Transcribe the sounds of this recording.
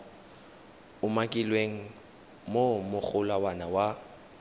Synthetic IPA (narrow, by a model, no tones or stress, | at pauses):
ʊmakʼɪlweŋ̩ | momʊk͡xʰʊlawanawa